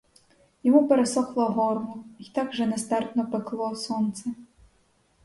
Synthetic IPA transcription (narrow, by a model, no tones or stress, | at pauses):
jɔmupɛɾɛsɔxlˠɔɦɔrnuit̪akʐɛnɛst̪art̪nɔpɛklˠɔsɔnt̪sɛ